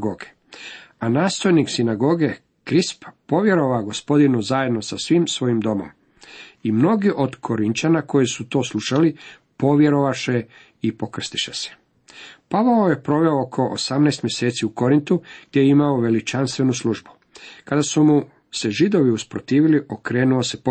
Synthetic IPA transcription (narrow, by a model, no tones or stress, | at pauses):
ɡoɡe | anaːst̪o̞jniksinaɡo̞ɡe̞ | kɾisppo̞ʋje̞ɾo̞ʋaɡo̞spo̞d̪inuzaje̞d̪no̞sasʋiːmsʋo̞jimd̪o̞mo̞̰m | imno̞ɡiʔo̞d̪kʰo̞ɾint̪anako̞jisut̪o̞ːslˠuʃali | po̞ʋje̞ɾo̞ʋaʃe | ipo̞kr̩st̪i̥ʃese̥ | paʋaoje̞pɾo̞ʋe̞ookʰo̞ʔo̰samnɛːst̪mje̞seːt̪siuko̞ɾint̪uɡ̥̚d̪jejeimaoʋe̞lit͡ʃanst̪ʋe̞nuslˠuʒbu̥ | kad̪asumu | se̞ʒid̪o̞ʋiuspɾot̪iːʋiliʔokɾe̞ːnuosep